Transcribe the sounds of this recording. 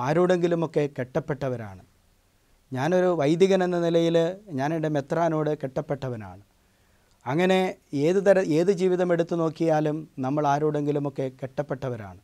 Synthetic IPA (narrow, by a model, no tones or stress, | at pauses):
aːɾuːɽe̞ŋɡilumo̞kːe̞keʈːɐpːe̞ʈːɐʋɐɾa̰ːɳɨ | ɲaːno̞ɾuʋɐjd̪iɣɐne̞nːɐnilɐjilɲaːniɖe̞met̪raːno̞ːɽɨkeʈːɐpːe̞ʈːɐʋɐna̰ːɳɨ | ɐŋːɐne̞eːðɨt̪ɐɾɐe̞ːðɨd͡ʑiːʋiðɐme̞ɽut̪ːuno̞ːkːijaːlumnɐmːɐɭaːɾuːɽe̞ŋɡilumo̞kːe̞keʈːɐpːe̞ʈːɐʋɐɾa̰ːɳɨ